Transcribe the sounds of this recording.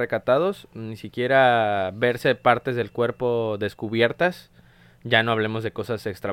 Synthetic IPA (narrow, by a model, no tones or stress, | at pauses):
ekat̪aðo̞snisikje̞ɾaβe̞ɾse̞paɾt̪e̞zðe̞lkwe̞ɾpo̞ðe̞skuβje̞ɾt̪as | ɟ͡ʝano̞aβ̞le̞mo̞zðe̞ko̞sase̞kst̪ɾa